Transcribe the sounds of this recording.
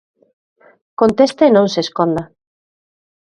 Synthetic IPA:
kont̪est̪aenõŋseskond̪a

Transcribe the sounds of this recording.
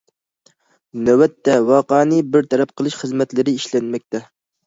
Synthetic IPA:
næwɛt̪ʰːɛwɑːqɑːnɨbɪɾt̪ʰɛɾɛp̚qʰəlˠɨʃχəzmɛt̪lɪɾɪiʃlɛnmɛk̚ʲt̪ɛ

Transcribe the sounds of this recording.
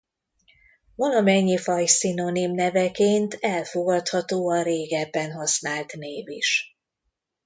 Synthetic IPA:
volɒmɛɲːifɒjsino̞nimnɛvɛkeːnt̪ʰɛlfo̞ɡɒt̪hɒt̪oːɒreːɡɛbːɛnɦɒsnaːlt̪neːviʃ

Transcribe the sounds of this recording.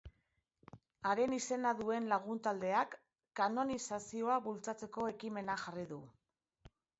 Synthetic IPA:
aɾe̞nise̞naðue̞nlaɣ̞unt̪ald̪e̞akː | ano̞nisasio̞aβult͡sat͡se̞ko̞e̞kime̞naʝariðu

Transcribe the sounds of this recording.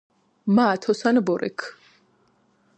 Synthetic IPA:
maːt̪ʰɔsanbɔɾʔɛ̰kʰ

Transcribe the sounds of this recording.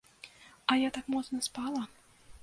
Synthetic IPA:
ajat̪akmɔt̪nɐspɑlˠa

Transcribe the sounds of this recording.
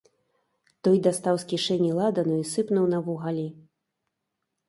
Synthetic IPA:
t̪ɔjd̪ast̪awskʲiʂɛnʲilˠad̪ɐnuisɨpnuwnɐvuɣalʲi

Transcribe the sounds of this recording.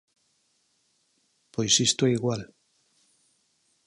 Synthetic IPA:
pojsist̪oeiɣwal

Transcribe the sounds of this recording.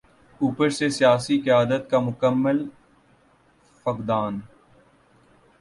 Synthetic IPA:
uːpəɾsesijaːsiqɪjaːd̪ət̪kamʊkəmːəl | fəkd̪aːn

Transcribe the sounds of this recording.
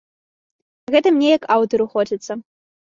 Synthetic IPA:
ɣɛt̪ɐmnʲɛjɐkawt̪ɔɾuxɔd͡zʲit̪sːɐ

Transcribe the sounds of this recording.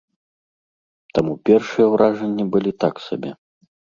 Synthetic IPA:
t̪amupʲɛrʂɨjɛwɾʔaʐɛnʲːibɨlʲit̪aksa̰bʲɛ̰

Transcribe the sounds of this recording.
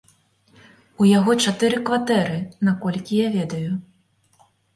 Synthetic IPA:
ujaɣɔt͡ʂat̪ɨɾɨkvat̪ɛɾɨnakɔlʲkʲijavʲɛd̪ɐju

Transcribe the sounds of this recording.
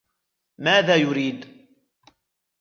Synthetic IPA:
maːðaːjʊɾiːd̪

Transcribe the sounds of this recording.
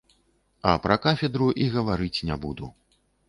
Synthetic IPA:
ɐ̰pɾɐkafʲɛd̪ɾuʔiɣɐvaɾɨt͡sʲnʲɛbud̪ṵ

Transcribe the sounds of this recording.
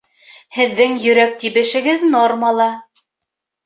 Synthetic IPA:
hɘ̆ðːɘŋjɵ̆ɾæk̚t̪iβɘ̆ʃɘ̆ɡɘðnormɑlˠɑ

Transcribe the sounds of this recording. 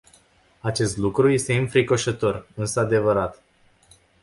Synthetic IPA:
at͡ʃe̞st̪lukɾuje̞st̪e̞ɨnfɾiko̞ʃət̪o̞rɨnsəad̪e̞vəɾat̪

